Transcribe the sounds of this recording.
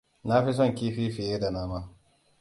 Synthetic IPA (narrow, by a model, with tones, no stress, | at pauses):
na˦ɸi˦s̬ɔ˦˨ŋkʲiː˦ɸiː˦ɸɪ˨jeː˦da˨naː˦maː˦